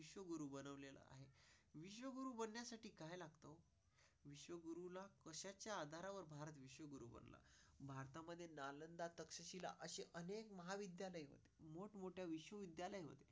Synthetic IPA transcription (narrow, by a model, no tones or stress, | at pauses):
iɕʋəɡuɾuːbənəʋlela̰a̰ɦeʋiɕʋəɡuɾuːbənːjasaʈiːkajlaɡt̪o | ʋiɕʋəɡuɾulakəɕat͡ɕjaːd̪ʱaɾaʋəɾbʱaɾət̪ʋiɕʋəɡuɾṵbə̰nla̰bʱaɾt̪aməd̪ʱːjenalənd̪at̪əkʂəɕila̰ʔəɕeʔənekməɦaʋid̪jaləjɦo̰t̪e̥moʈmoʈjaʋiɕʋəʋid̪jaləjɦo̰t̪e